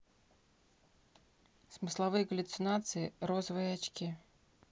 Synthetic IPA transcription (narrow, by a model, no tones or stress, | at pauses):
smɨslˠavɨjɐɡəlʲut̪sɨnat̪sɨiɾɔzɐvɨjɐat͡ɕkʲi